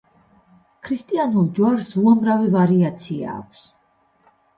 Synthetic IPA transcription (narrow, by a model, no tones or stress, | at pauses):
kʰɾist̪ʼianulˠd͡ʒwaɾsuamɾavivaɾiat̪sʰia̰ːkʷʰs